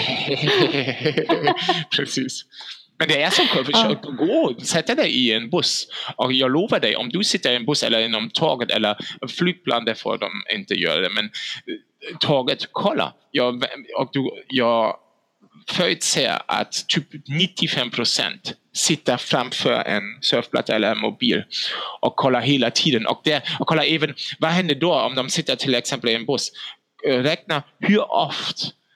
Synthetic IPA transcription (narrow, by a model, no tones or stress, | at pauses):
pʰɾɛsiːs | mɛnd̪ɛæsɔmkʰɔfəʃøːkəɡoːsɛt̪ːəd̪ɛɪɪɛnbʊsɔkjɑːɡloːvəɖɛɪʔɔ̰md̪ʉsɪt̪ːəɾiɛnbʊsɛ̰lːəɾɪnɔmt̪ʰɑːɡət̪ɛ̰lːəɾnflyːt̪̚b̥la̰nd̪ɛfo̰ːd̪ɔ̰mɪ̰nt̪əjø̰ːɾa̰d̪ɛmɛn | t̪ʰɑːɡət̪kʰɔlːa̰ɾ | jɑːvɔk̚d̪ʉjɑ | fœɾʉt̪sɛːə̰ʔa̰t̪ʰːyːpnɪt̪ʰːɪfɛmːpʰɾʊsɛ̰nt̪ | sɪt̪ːəɾfɾamfœ̰ɾɛ̰nsœɾvpʰla̰t̪ːaɛlːəɾɛnmʊbḭːlʔɔkʰːɔlːaɦeːlat̪ʰiːd̪ənʔɔ̰k̚d̪ɛjɑkʰɔlːaɾeːvənvaɦɛnd̪əd̪ɔɔ̰md̪ɔmsɪt̪ːət̪ʰɪlɛksɛmpəliɛnbʊs | ɾɛk̚nahʉɔft̪